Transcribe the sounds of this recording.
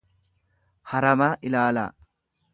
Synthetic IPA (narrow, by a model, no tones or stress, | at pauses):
hɐɾɐmaːʔɪlaːla̰ː